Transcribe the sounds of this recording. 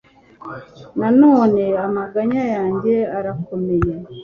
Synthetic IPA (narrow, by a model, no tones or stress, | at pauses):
nanoːneamaɡaɲajaːɲɟeaɾakomeje